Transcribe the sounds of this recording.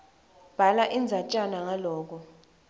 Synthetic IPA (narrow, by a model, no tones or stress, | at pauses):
b̥ʱalaʔind͡zʱat͡ʃʼanaŋalɔːk̬ɔ